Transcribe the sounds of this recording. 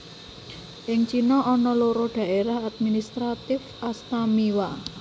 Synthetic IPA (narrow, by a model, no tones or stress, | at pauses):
ʔɪŋt͡ʃinɔʔɔnɔloɾɔɖ̥ä̤ʔeɾahad̪̚minist̪ɾat̪ɪfʔast̪amiwa